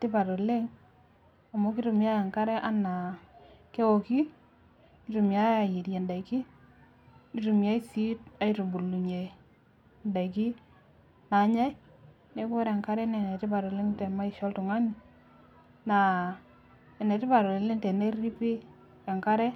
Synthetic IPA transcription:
tɪ˦pa˨ɾɔ˨le˦ŋ | a˨mo˦kɪ˦tu˨mja˦ɛ˨ŋka˦ɾɛ˦ʔa˦na˨ke˦wo˨ki˦ | i˦tu˨mja˦a˨ji˨ɾjɛ˨nda˨iki˦ | ni˦tu˨mja˦i˦si˦t̚a˨˦itu˨bu˨lu˨ɲe˨ | nda˨i˨ki˦ | na˨˦ɲa˦j | ne˦ko˦ɾɛ˨ŋka˦ɾɛ˦nɛ˨nɛ˨tɪ˦pa˨ɾɔ˨le˦ŋ˦tɛ˨ma˦i˦ʃɔ˦ltʊ˨ŋa˦ni˦ | na˨ | ɛ˨nɛ˨tɪ˦pa˨ɾɔ˨le˨le˦ŋtɛ˨ne˦i˦pɪ˦ | ɛ˨ŋka˦ɾɛ˦

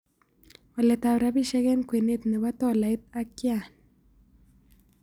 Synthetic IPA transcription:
wa˨lɛ˨t̪a˨wɾa˨˦bi˦˨ʃɛ˦ɣɛ˦nkwe˨ne˦t̪nɛ˨ba˦t̪ɔ˦˨la˨ɪ˦t̪̚a˦kja˨n

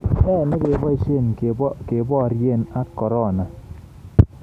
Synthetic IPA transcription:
ɛ˦˨nɪ˦ke˨˦bɔ˦i˦ʃe˦˨nke˨bɔ˦a˨ɾje˦˨na˦kɔ˨ɾɔ˦˨na˨

